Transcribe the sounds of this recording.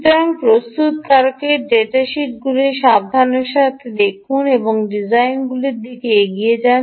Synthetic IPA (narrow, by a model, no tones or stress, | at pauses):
t̪oɾaŋpɾost̪ut̪kaɾkeɖeʈaʃiʈ̚ɡuleʃab̚d̪ʱaneɾʃat̪ʰed̪ekʰuneboŋɖid͡ʑajnɡuleɾd̪ikeeɡied͡ʑa